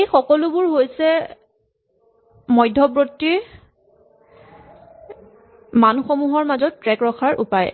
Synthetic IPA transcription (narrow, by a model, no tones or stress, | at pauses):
ejxɔkɔlubʊɹɦojsɛ | mɔjdʱɔbɹotːiɹ | manxomuɦɔɹmazɔtːɹɛkɹɔkʰaɹʔṵpaj